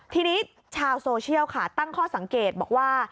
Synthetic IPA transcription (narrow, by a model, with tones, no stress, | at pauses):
t̪ʰiː˥˩niː˦˥ | t͡ɕʰaː˧wsoː˧t͡ɕʰi˥˩əwkʰa˥˩t̪a˥˩ŋkʰɔː˥˩sa˩˦ŋkeː˨˩t̪̚bɔː˨˩k̚waː˥˩